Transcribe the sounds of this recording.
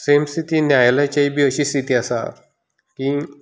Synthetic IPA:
semst̪it̪injajlat͡ɕaibʱiəɕiːst̪it̪iasa̰ | kĩ

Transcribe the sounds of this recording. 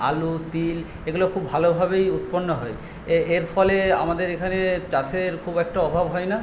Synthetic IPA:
a̰lut̪il | eɡulokʰubːʱalobʱabejut̪ponːɔɦɔje | eeɾfʰɔlea̰mad̪eɾekʰanet͡ɕaseɾkʰubɛk̚ʈaɔbʱabɦɔena

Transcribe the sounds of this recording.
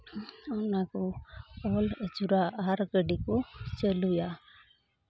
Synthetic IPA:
ɔnakoɔləd͡ʒuɾaʔaɾɡəɖikot͡ʃəluja

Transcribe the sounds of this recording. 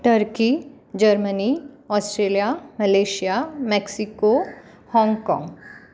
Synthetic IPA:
ʈəɾki | d͡ʒɐɾməniɔːsʈɾeːlijaməleːʃijamɛksɪko | hɔ̃ːŋɡkɔ̰̃ːŋɡ

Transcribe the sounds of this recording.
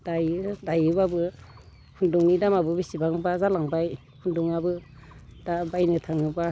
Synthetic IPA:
d̥ajɯdajɯbabɯ | hʰunduŋnidamabɯbisibaŋbazalaŋbaj | pʰunduŋabɯdabajnɯtʰaŋɯba

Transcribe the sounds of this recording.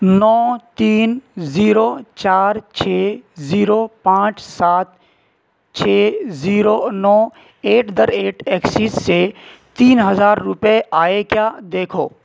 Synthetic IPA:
nɔːt̪iːnziːɾoːt͡ʃaːɾt͡ʃʰeːziːɾopãːt͡ʃsaːt̪̚ | t͡ʃʰeːziːɾoːnɔː | eːʈʰd̪əɾeːʈʰeːksisːe | t̪iːnɦəzaːɾːʊpeʔaːekjaːd̪eːkʰo̰ː

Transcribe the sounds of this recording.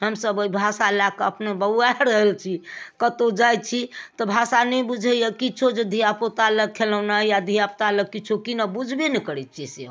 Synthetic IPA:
ɦəmsəboibʱasaelakəpnebəaɾəɦəlt͡ʃʰikət̪od͡ʒaj̚t͡ʃʰit̪ɔbʱasanɛbud͡ʒʱəjəkit͡ʃʰod͡ʒed̪ʱijapot̪aləɡ̚kʰːelənajad̪ʱijapt̪aləkːit͡ʃʰukinabud͡ʒʱbenɛkəɾɛt̪̚t͡ʃʰise

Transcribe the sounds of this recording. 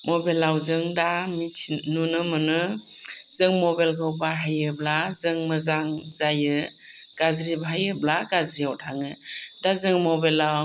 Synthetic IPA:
mɔbelːawzɯŋdamitʰnunɯmɯnɯ | zɯŋmɔbelkʰɯwbaɦajɯblazɯŋmɯzaŋzajɯ | ɡ̥azɾibaɦajɯblaɡazɾiawtʰaŋɯdazɯŋmɔbelːa

